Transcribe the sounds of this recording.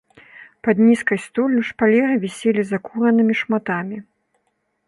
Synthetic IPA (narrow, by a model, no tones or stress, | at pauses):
pɐd̪nʲiskɐjst̪ɔlʲːuʂpalʲɛɾɨvʲɛsʲelʲizɐkuɾɐnɨmʲiʂmat̪amʲi